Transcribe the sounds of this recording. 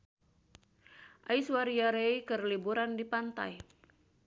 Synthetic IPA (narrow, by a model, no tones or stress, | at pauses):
ʔaiswaɾiaɾeikərlibuɾandipant̪a̰j